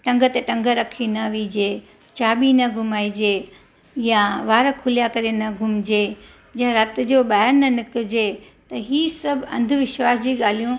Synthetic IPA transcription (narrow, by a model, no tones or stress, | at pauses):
ʈɐ̃ŋɡʱət̪eʈɐ̃ŋɡʱəɾɐkʰinɐʋiːd͡ʑeː | t͡ɕaːɓinɐɡʱʊmaːid͡ʑeː | jaʋaːɾəkʰʊlijakɐɾenɐɡʱʊmd͡ʑeː | d͡ʑãɾɐt̪ɪ̆d͡ʑoːɓaːɦɪɾnɐnɪkʊ̆d͡ʑe | t̪ɐɦiːsɐbʱɐ̰̃nd̪ʱʋɪʃwaːsd͡ʑiːɠaːl̤ijũ